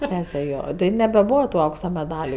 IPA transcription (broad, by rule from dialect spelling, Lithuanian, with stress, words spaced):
ˈsʲæːsʲɛ ˈjoː ˈtɐɪ nʲɛbʲɛˈbuːʋɐ tʊ ˈɐʊksɐ mʲɛˈdɑːlʲʊ